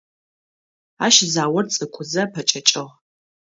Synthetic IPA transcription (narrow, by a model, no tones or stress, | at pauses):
aːʃzaːwɐrt͡sʼɨkʷʰʊzɐpʰɐt͡ʃʼɐt͡ʃʼɨʁ